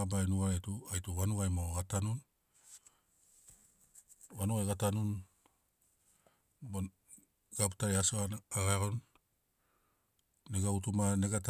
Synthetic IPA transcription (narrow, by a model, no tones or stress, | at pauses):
abajnuɡaɾetuajtuwanuɡajmoɡatanun | wanuɣajɡatanun | bo | ɡaptaeasoaaɡaɡon | eɡautumaneɡat